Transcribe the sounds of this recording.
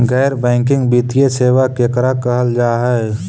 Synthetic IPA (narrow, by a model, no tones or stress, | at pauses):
ɡɛːɾbɛ̃ːŋkɪ̃ŋɡbiːt̪ijeseːʋakekɾakəɦəld͡ʒaːɦɛe